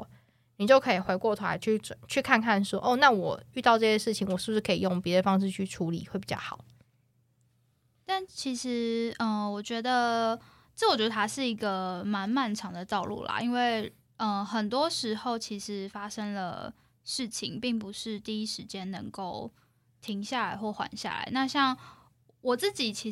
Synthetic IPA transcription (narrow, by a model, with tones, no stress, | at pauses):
ni˨˩t͡ɕjo˥˩ʊkʰɤ˧˥i˨˩xwe˧˥ɪkwɔ˥˩t̪ʰu˥la̰˧˥ɪt͡ɕʰy˥˩t͡snt͡ɕʰy˥˩kʰa˥˧nkʰa˥˨˩nʂwɔ˦˥ʔo˥˧na˥˨wɔ˨˩y˥˧t̪ɑ˥˧ʊʈ͡ʂɤ˥˧˩ɕjɛ˥ʂɻ̩˥˩t͡ɕʰi˨˩ŋwɔ˨˩ʂɻi˥˩bʂɻ̩˥˩kʰə˧˥i˨˩jo˥˩ŋpjɛ˧˦d̪ə˧fɑ˥ŋʂ̬ɻ̩˥˧t͡ɕʰy˥˩ʈ͡ʂʰu˧˥lḭ˨˦we˥˩ɪpi˨˩t͡ɕɑ̰˥˩xɑ̰˨˩˦ʊ | t̪a˥˩nt͡ɕʰi˧˥ʂɻ̩˧˥ə˧wɔ˨˩t͡ɕɥɛ˧˥d̪ə˧ | ʈ͡ʂɤ˥˩˨t͡ɕɥɛ˧˥d̪ə˧˩a˥ʂɻ̩˥˩i˧˥ɡə˧ma˧˥nma˥˩nʈ͡ʂʰɑ˧˥ŋd̪ə˨t̪ɑ˥˧ʊlṵ˥˩la̰˩ʔi˦˥nwe˥˩ɪ | ə˧xə˨˩nt̪wɔ˦˥ʂɻ̩˧˥xo˥˩ʊt͡ɕʰi˧˥ʂɻ̩˧˥fa˥ʂə˥ŋlə̰˨˩ | ʂɻ̩˥˩t͡ɕʰi˨˩ŋpi˥˩ŋp̬u˧˦ʂɻ̩˥˧t̪i˥˩i˥ʂɻ̩˧˥t͡ɕjɛ˥nnə˧˥ŋko˥˩ʊ | t̪ʰi˧˥ŋɕja˥˩la˧˥ɪxwɔ˥˩xwa̰˧˦nɕja̰˥˩la̰˧˦ɪna˥˧ɕjɑ˥˩ŋ | wɔ˨˩t͡sɹ̩˥˩t͡ɕi˨˩t͡ɕʰi˧˥